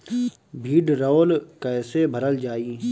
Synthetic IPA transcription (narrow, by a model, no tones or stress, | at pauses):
bʱiːɖɾoolkɛːsebʱəɾəld͡ʒaːiː